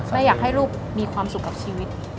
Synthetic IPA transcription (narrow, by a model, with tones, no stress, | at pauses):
ma˥˩jaː˨˩k̚ɦa˥˩jɾuː˥˩p̚miː˧kʰwaː˧msu˨˩kːa˨˩p̚t͡ɕʰiː˧wi˦˥t̪̚